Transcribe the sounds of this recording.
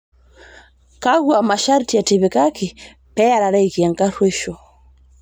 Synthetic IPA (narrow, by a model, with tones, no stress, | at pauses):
ka˦ɣwa˨ma˨ʃa˦ɾti˨a˨tiβika˦ki˨ | pɛ˦a˨ɾa˨ɾa˦iki˨a˨ŋka˦ɾwe˦ʃɔ˨